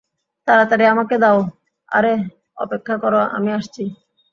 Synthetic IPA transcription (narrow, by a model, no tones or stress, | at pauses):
t̪aɾat̪aɾeamaked̪ao | a̰ɾe | ɔ̰pekʰːakɔɾoa̰miaʃt͡ɕʰi